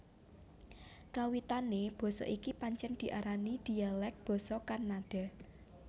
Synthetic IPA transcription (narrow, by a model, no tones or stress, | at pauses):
kawit̪aneb̥ɔ̤sɔ̰ʔikipaɲt͡ʃɛnd̪̥i̤ʔaɾanid̪̥i̤alɛk̚b̥ɔ̤sɔkarnaɖ̥a̤